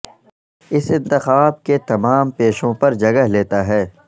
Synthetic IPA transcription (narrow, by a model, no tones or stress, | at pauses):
ɪsɪ̃nt̪ɪxaːb̚ket̪ɐmaːmpeːʃõpɐɾd͡ʒɐɡəɦleːt̪aɦɛː